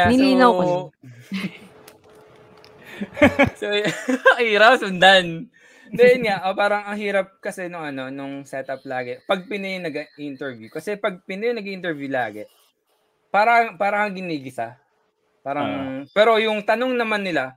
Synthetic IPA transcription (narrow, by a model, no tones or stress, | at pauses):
aɪlinaw | soʔiːɾawsʊnd̪an | d̪ɛɛnŋaʔopaːɾɐŋɐŋɦiːɾɐp̚kɐsɛnʊŋɐno̞nʊŋsɛt̪ɐp̚laːɡɛpɐɡ̚pɪnɐjŋnɐɡʔint̪ɛɹvjukɐsɛpɐɡ̚pɪnɐjɐŋnɐɡʔɪnt̪ɛɹvjula̰ːɡɛ | paːɾɐpaːɾɐhɐŋɡɪniːɡɪsɐ | paːɾɐŋpɛːɾo̞jʊŋt̪ɐno̞ŋnɐmanːɪla